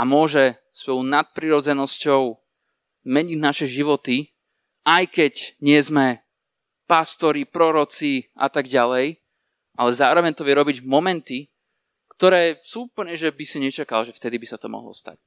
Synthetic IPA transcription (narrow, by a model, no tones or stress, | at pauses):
amʊɔʒɛ | spɔʊnat̪̚pɾiɾɔd͡zɛnɔscɔʊ | mɛɲinaʃɛʒiʋɔt̪i | ʔajkɛɟɲɪɛzmɛ | past̪ɔɾipɾɔɾɔt͡siʔa̰t̪aɡɟalɛj | ʔalɛzaːɾɔʋɛɲt̪ɔʋɪɛɾɔbiɟmɔmɛnt̪i | kt̪ɔɾɛːsuːupl̩ɲɛʒɛbisiɲɛt͡ʃakalʒɛft̪ɛd̪ibisat̪ɔmɔ̰ɦlɔ̰st̪a̰c̚